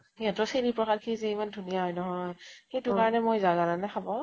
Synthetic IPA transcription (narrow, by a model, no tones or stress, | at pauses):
iatɔselipɹɔkʰatkʰizɛimandʱunijaɦɔjnɔɦɔjhejtukaɹɔnɛmojzaɡalanaxʰabɔ